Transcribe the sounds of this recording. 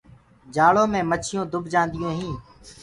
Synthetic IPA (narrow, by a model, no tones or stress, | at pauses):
d͡ʒaːɭoːmẽːmət͡ʃʰɪjõːd̪ʊbʱd͡ʒãːnd̪ɪjõːɦĩː